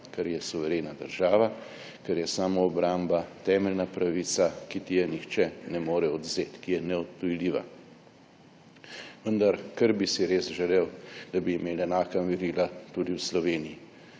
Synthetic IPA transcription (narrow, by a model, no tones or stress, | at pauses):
kɛɾjɛsuʋɛɾeːnad̪əɾʒaːʋa | kɛɾjɛsaːmoːbɾambat̪ɛːmɛlnapɾaʋiːsakit̪ijɛnixt͡ʃɛnɛmoːɾɛɔd̪zeːt̪kijɛnɛɔt̪̚pujliːʋa̰ | ʋənd̪aɾkəɾbisiɾeːsʒɛleːwd̪̥abiːmeːlɛnaːkamiɾiːlat̪ud̪iwslɔʋeːniji